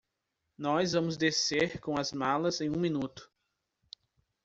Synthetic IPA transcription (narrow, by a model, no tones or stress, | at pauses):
nɔzvɐ̃mʊzd̪eseɾkõw̃ɐzmalɐzẽj̃ũmĩnut̪ʊ̥